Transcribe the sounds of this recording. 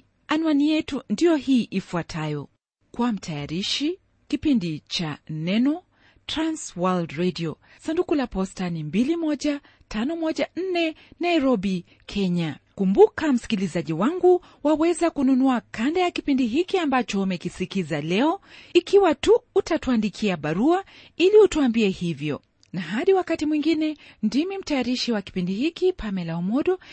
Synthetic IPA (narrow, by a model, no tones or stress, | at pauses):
anuanijɛtundijɔhiːʔifuatʰajɔ | kwam̩tʰajaɾiʃi | kipindit͡ʃanɛnɔ | tɾanswaldɾediɔ | sandukulapɔstanimbilimɔʄa | tʰanɔmɔʄan̩nɛnaiɾɔɓi | kʰɛɲakumbukam̩si̥kilizaʄiwaŋɡu | wawɛzakununuakandajakipindiɦikiambat͡ʃɔumɛkisikizalɛɔikiwatuːtatuandikʰiaɓaɾua | iliutuambiɛhivjɔ̰ | naɦaɗiwakatimwiŋɡinɛndimim̩tajaɾiʃiwaki̥pindihikipʰamɛlaɔmɔɗɔ